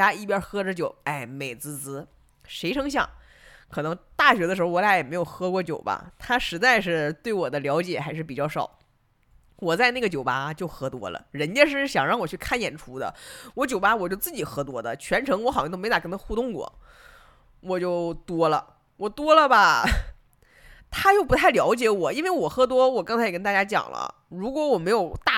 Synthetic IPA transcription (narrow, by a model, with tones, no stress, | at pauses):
a˥i˥˩p̬jɑ˧˥xɤ˥ʈ͡ʂɻ̩˧˥t͡ɕjo˨˩ʊa˥˩ɪme˨˩ɪt͡sɹ̩˥˩t͡sɹ̩˧˥ | ʂe˧˥ɪʈ͡ʂʰɤ˥ŋɕjɑ̰˥˩ŋ | kʰɤ˨˩nɤ˧˥ŋt̪a˥˩ɕɥɛ˧˥d̪ə˧ʂɻ̩˧˥xo˧wɔ˧˥ja˧˥˩jɛ˨˩me˧˥ɪjo˨˩ʊxɤ˧˥kwɔ˥˩t͡ɕjo˨˩ʊbɐ̰˧t̪ʰa˥ʂɻ̩˧˥t͡sa˥˧ɪʂɻ̩˥˧t̪we˥˩ɪwɔ˨˩d̪ə˦ljɑ˧˥ʊt͡ɕjɛ˨˩xa˧˥ɪʂɻ̩˥˩p̬i˨˩t͡ɕjɑ˥˩ʊʂɑ̰˨˩˦ʊ | wɔ˨˩t͡sa˥˧ɪna˥˩ɡə˩t͡ɕjo˨˩ʊpa˧˥˧t͡ɕjo˥˩ʊxɤ˧˥t̪wɔ̰˥lə̰˧ɻə˧˥nt͡ɕɛ˥ʂ̬ɻ̩˥˧˥ɕjɑ˨˩ŋɻɑ˥˩ŋwɔ˨˩t͡ɕʰy˥˧kʰa˥˩njɛ˨˩nʈ͡ʂʰu˧˥d̪ə̰˧wɔ˧˥t͡ɕjo˨˩ʊpa˧˥wɔ˨˩t͡ɕjo˥˧t͡sɹ̩˥˩t͡ɕi˨˩xɤ˧˥t̪̬wɔ˥d̪ə̰˨t͡ɕʰɥɛ˧˥nʈ͡ʂʰɤ˧˥ŋwɔ˧˥xo˥˧˥na˨˩kə˥nʰa˥xu˥˧t̪ʊ˥˧ŋkwɔ̰˥˩ | wɔ˨˩t͡ɕjo˥˩ʊt̪wɔ˥lə̰˨ | wɔ˨˩t̪wɔ˥lə˨bɐ˨˩ | t̪ʰa˥t͡ɕjo˥˩ʊpu˧˥t̪ʰa˥˩ɪljɑ˧˥ʊt͡ɕjɛ˧˥wɔ˨˩i˥nwe˥˩ɪwɔ˨˩xɤ˧˥t̪̬wɔ˥wɔ˨˩kɑ˥ŋt͡sʰa˥ɪɛ˨˩kə˥nt̪a˥˧˩t͡ɕja˥t͡ɕjɑ̰˨˩ŋlə̰˦ | ɻu˧˥kwɔ˧˥wɔ˨˩me˧˥ɪjo˨˩ʊt̪a˥˩